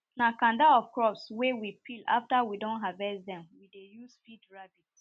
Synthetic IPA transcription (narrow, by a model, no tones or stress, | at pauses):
nakãndaɔv̥kɹɔpswɛwipʰila̰ftawidɔ̃nɦavɛsdɛ̃mwidejusfidɹabit